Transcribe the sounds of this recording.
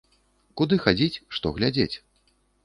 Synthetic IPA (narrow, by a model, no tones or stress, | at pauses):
kud̪ɨxad͡zʲit͡sʲʂt̪ɔɣlʲad͡zʲet͡sʲ